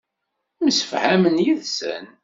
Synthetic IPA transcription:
məsə̥fhæmənjiðsə̰n

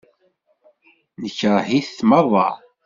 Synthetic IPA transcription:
nəçəɾˤhiθθməðˤɑ̰

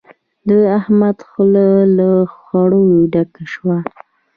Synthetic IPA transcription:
d̪əahmad̪xolalaxɑɽoɖakaʃwa

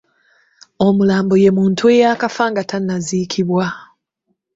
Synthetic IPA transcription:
o̞mulaːmboje̞muːntʰue̞jaːkafaːŋɡatʰanːazikʰiβwa

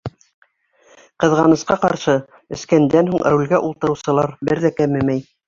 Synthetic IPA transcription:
qɤ̆ðʁɑnɤ̆sqɑqɑɾʃɤ | ɘ̆skænd̪ænhuɴʔɾulʲɡæʔulˠt̪ɤ̆ɾɤ̆wsɤ̆lˠɑɾbɘɾðækæmɘ̆mæj

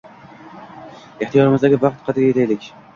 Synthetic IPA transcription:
eht̪ʰijɒɾɪmɪzd̪aɡʲɪvɑqt̪qʰɑt̪ʰɪɾɡʲajet̪ʰajlɪkʲ

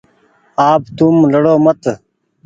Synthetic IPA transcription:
aːbt̪umləɽoːmət̪

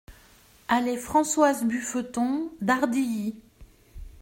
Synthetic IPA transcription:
alefχɑ̃swazbyføt̪ɔ̃d̪aʁd̪iji

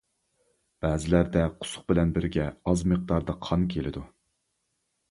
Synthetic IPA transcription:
b̥æːzɪlæɾd̪ɛqʰʊ̥sʊ̥q̚bɪlɛnbɪɾɡʲɛɑzməq̚d̪ɑɾd̪ɑqʰɑnkʲʰelɪd̪u

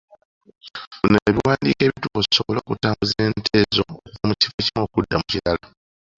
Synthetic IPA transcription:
buneβiwaːndiːke̞ːβituoisoβolo̞ːkutaːmbuzie̞ːntʰe̞ːzo̞̰ːkuvamuci̥fe̞cimo̞ːkudːamucilala

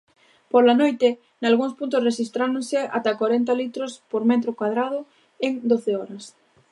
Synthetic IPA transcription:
poɾlanojt̪e | nalɣuŋspunt̪̬ʊsreʃist̪ɾaɾoŋsea̰t̪akwaɾent̪alit̪ɾospoɾmɛt̪ɾokwað̞ɾað̞ʊ | eŋd̪oθeɔɾɐs

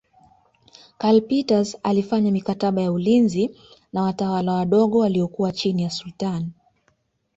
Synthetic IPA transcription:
kalpitazalifaɲamikataɓajaulinzi | nawatawalawaɗɔɠɔwaliɔkuwat͡ʃinijasultani

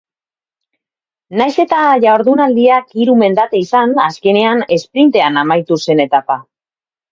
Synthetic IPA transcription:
najse̞t̪aʝaoɾðunald̪iakiɾume̞nd̪at̪eisanaske̞ne̞ane̞spɾint̪e̞anamajt̪use̞ne̞t̪apa

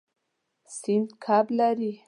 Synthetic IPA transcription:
sɪnd̪kʰablaɾi

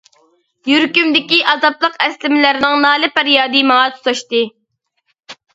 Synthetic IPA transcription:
jyɾkʲymd̪ɪkʲiʔɑzɑplˠəqɛslɪmlɪɾɪnɨŋnɑːlˠɨpæɾjɑːd̪imɑŋɑt̪ʰu̥t̪ʰɑʃt̪ɨ

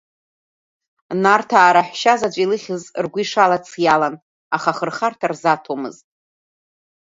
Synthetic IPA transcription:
nartʰaːɾaħʷʃazat͡ʃʷʼilɨχʲɪzrɡʷiʂalat͡sʰjalan | aχaχərχartʰarzatʰomɨ̰ztʼ

